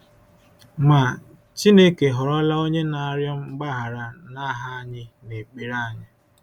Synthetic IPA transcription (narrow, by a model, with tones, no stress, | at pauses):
ma˨ | t͡ʃi˦ne˦ke˨ɦɔ˨ɾɔ˦la˦o˦ɲe˦na˨˦ɾjɔ˦m̩˦ŋ͡m̩˦ɡ͡ba˦ɦa˨ɾa˨na˦ɦa˦ɲɪ˦ne˨k͡pi˨ɾa˦˨ɲɪ˦